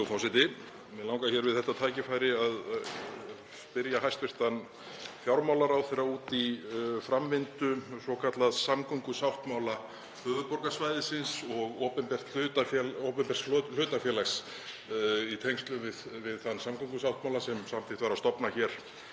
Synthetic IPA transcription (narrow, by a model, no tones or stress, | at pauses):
ofawsɪt̪ɪ | ɛlaːwŋkaçɛɾvɪðθɛht̪ːat̪ʰaːjcɪfaːjɾɪað | pɪɾjaɦajst̪vɪr̥t̪an | fjawɾmaːwlaɾawθɛjɾauːt̪ifɾamːɪnt̪ʏsɔkʰat̪laðsamkʰɔŋkʏsawht̪mawla | fœːðʏpɔɾkasvajðɪsɪnsɔɣowpɛnpɛr̥t̪lʏt̪aɛopɛmpɛr̥t̪ll̥ʏːt̪afjɛːlaxs | it̪ʰɛŋst̪lʏvɪðvɪðθanːsamkʰɔŋkʏsawht̪mawlasɛmsamt̪ʰɪht̪vaɾast̪ɔpnaçɛɾ̥